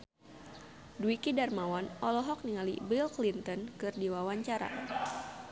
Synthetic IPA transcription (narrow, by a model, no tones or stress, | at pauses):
duikidarmawanɔlɔɦɔk̚niŋalḭbilklint̪ɔnkɨrdiwawaɲt͡ʃaɾa̰